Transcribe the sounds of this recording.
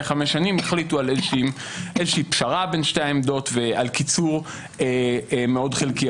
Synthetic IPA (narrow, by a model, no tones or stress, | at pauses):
χameʃanimeχlitualezʃi | ʔezʃiipʃaʁabe̞nʃteemd̪o̞tvealkit͡suʁ | emeo̞dχelki